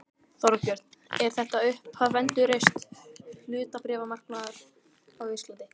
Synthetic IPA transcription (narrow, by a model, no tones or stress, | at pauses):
θɔɾvapjœɾ̥t̪n̥ɛɾ̥θɛht̪aʏhphaðvɛnt̪ʏɾejst̪lʏːt̪apɾɛːvamar̥kmaːðʏɾ̥ | awvist̪ant̪ɪ